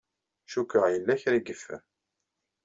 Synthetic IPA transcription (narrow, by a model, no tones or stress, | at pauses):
ʃukːəʁjəlːæçɾiɡəfːæ̰m